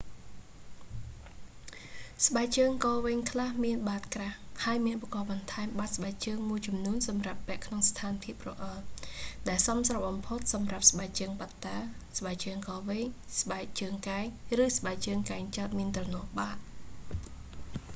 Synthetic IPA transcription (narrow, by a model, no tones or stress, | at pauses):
sɓaɛk̚t͡ɕəːŋkɑːʋɛːŋkʰlahmiənɓaːt̪̚krahhaəjmiənʔuɓkɑːɓɑnt̪ʰaɛmɓat̪̚sɓaɛk̚t͡ɕəːŋmuəjt͡ɕɑmnuənsɑmrapːɛ̆əʔkʰnoŋst̪ʰaːnpʰiəp̚rɔʔalɗaɛlsɑmsrɑɓɑmpʰot̪̚sɑmrap̚sɓaɛk̚t͡ɕəːŋpat̪ːaːsɓaɛk̚t͡ɕəːŋkɑːʋɛːɲsɓaɛk̚t͡ɕəːŋkaɛŋrɨːsɓaɛk̚t͡ɕəːŋkaɛŋt͡ɕat̪̚miənt̪rɑnɔ̆əhɓaːʔ